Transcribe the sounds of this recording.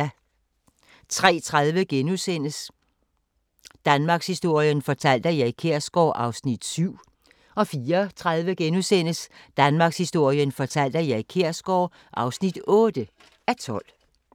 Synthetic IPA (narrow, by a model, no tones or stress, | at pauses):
t͡sʰʁɛ̰ːt͡sʰʁaðˠʋəɡ̥enusen̰əs | d̥ænmɑ̈ːɡ̥shisd̥o̝ɐ̰jənfɒ̽t͡sʰæl̰d̥əjɑ̈ɪikʰeɐ̰sɡ̥ɒ̰ʊʔɑ̈ʊsnid̥syʊ̰ | ɒ̽fiːɐt͡sʰʁaðˠʋəɡ̥enusen̰əsd̥ænmɑ̈ɡ̥shisd̥o̝ɐ̰jənfɒ̽t͡sʰæl̰d̥əjɑ̈ikʰeɐ̰sɡ̥ɒʊ | ʔɑ̈ʊsnid̥ɔ̽ːd̥ə | æt͡sʰɒ̽l̰